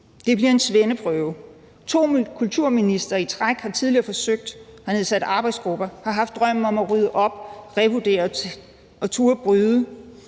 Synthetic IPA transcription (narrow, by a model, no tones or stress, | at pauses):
d̥e̝b̥liɐe̝nsʋenəpʰʁœʊ | t͡sʰo̝̰ːkʰult͡sʰuɐ̰minisd̥ɐit͡sʰʁaɡ̥hɑ̈t͡sʰiðˠliɐfɒ̽søɡ̥̚d̥hɑne̝ð̰ˠsæd̥ɑ̈ːb̥ɑ̈ɪd̥sɡ̥ʁub̥ɐhɑ̈ɦɑ̈fd̥̚ːʁɶm̰̩ɒ̽mæʁyð̞ˠəʔɒ̽b̥ʁɛʋud̥e̝̰ːɐ | ɒ̽t͡sʰuːɐb̥ʁyðˠə